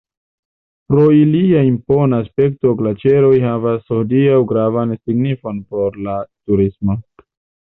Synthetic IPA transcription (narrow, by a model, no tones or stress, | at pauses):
pɾo̞iliaimpo̞naːspe̞k̚to̞ɡlat͡ʃe̞ɾo̞jɦavasodiawɡɾavansiɡnifo̞npo̞ɾlatuɾismo